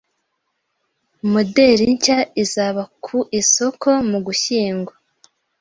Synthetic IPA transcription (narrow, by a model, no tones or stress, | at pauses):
mode̞ɾiɲcaizaβakʰuʔiso̞kʰo̞muɡuçiːŋɡwa